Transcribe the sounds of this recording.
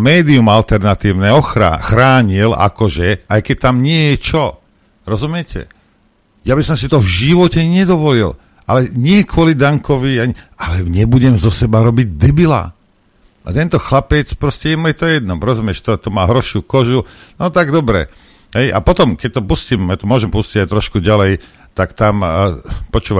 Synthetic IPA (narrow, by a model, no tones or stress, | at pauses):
mɛːd̪iumalt̪ɛɾnat̪iːʊnɛɔxɾa̰xɾaːɲila̰kɔʒɛajkɛc̚t̪amɲɪɛjɛt͡ʃɔ | ɾɔzumɪɛcɛ̰ | jabisɔmsit̪ɔvʒiʋɔcɛɲɛd̪ɔʋɔlil | ʔalɛɲɪɛkʋɔlid̪aŋkɔʋiaɲialɛɲɛbuɟɛmzɔsɛbaɾɔbiɟ̚d̪ɛbila̰ | ʔa̰t̪ɛnt̪ɔxlapɛt͡spɾɔscɛjɛmujɛt̪ɔjɛd̪̚nɔmɾɔzumɪɛʃt̪ɔt̪ɔmaːɦɾɔʃukɔʒunɔt̪aɡd̪ɔbɾɛ̰ | ɦɛja̰pɔt̪ɔmkɛc̚t̪ɔpuscimjat̪ɔmʊɔʒɛmpusciɟajt̪ɾɔʃkuɟalɛj | t̪akt̪ampɔt͡ʃuːʋa